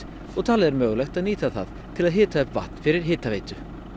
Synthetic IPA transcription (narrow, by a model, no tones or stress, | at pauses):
ɔt̪ʰalɛɾmœːɣlɛxt̪aðniːt̪aθa̰ð | t̪ʰɪlaðɦɪːt̪aɛpva̰ht̪n̥fɪɾɪɾ̥ɦɪːt̪aveːjt̪ʏ